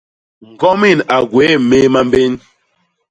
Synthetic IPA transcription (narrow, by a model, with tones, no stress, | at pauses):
ŋ̩˨ɡɔ˦mi˦˨na˨ɡwe˨˦˨me˦ma˦mbe˦n